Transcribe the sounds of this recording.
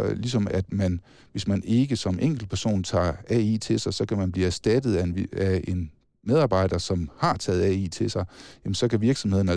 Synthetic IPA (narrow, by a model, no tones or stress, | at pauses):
lis̬ɒ̽mæd̥mæn | ʋe̝smæne̝ɡ̥əsɒ̽mʔeŋ̰ɡ̥l̩pʰæɐso̝̰ːnt͡sʰɑ̰̈ːɛḭːt͡sʰe̝lsɑ̈ɪsɒ̽kʰæmænb̥liːæɐsd̥æd̥ð̞̩ˠææe̝n | með̞ˠɑ̈ːb̥ɑ̈ɪ̰ɾ̥ɐsɒ̽mhɑ̈t͡sʰɛ̰ːð̞̩ˠɛḭːt͡sʰe̝lsɑ̈ɪjæmn̩sɒ̽kʰæʋiɐɡ̥sɒ̽mhe̝ðˠn̩æ